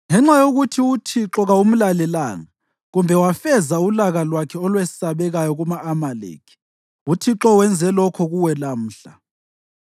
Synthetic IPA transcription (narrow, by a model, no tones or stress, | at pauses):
ŋɛŋ͡ǁajoɣutʰiutʰiǁɔɣaum̩lalɛlaːŋa | ɣumbʱɛwafɛzaulaɣalwakʰɛɔlwesaβɛɣajɔɣumaʔːmalḛːkʰi̥ | utʰiǁɔwɛnd͡zʱɛlɔkʰɔɣuwɛlam̩ːɬa